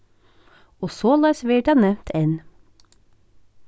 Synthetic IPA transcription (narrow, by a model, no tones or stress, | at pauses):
oːsoːlɑsʋeːɖɑnɛʋ̪t̪ʰeːn